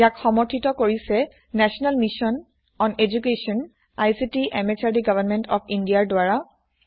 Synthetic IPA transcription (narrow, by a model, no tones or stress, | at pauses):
jakxɔmɔɹtʰitɔkoɹisɛ | nɛsɔnalmisɔn | ɔned͡ʒukesɔn | ajsitiʔɛmɛt͡ʃʰaɹdiɡavʱanmɛntɔpʰindiaɹdwaɹa